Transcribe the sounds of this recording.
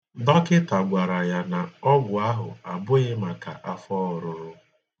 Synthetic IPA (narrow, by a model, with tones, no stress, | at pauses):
dɔ˦kɪ˦ta˨ɡʷa˨ɾa˨ja˨na˨ɔ˦ɡʷʊ˨a˦ɦʊ̰˨a˨bʊ˦ɣɪ˦ma˨ka̰˨ʔa˦fɔ˦ɔ˨ɾʊ˦ɾʊ˦